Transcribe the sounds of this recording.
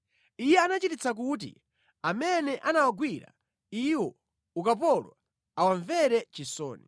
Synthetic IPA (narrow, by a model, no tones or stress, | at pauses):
ijɛanat͡ʃitit͡sak̬ut̬ḭ | amɛnɛʔanawaɡwiɾa̰ | iwɔ | ukap̬ɔlwa | awaɱvɛɾɛt͡ʃisɔ̰ːni